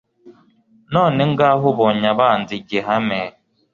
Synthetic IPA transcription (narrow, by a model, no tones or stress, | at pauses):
nɔːnɪŋ̩ɡaaɦʊbɔɲaban̩dɪɡeɦameː